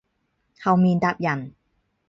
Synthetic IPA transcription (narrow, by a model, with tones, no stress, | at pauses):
hɐ˨wmiː˨˧nt̪a˨˧p̚jɐ˨˩n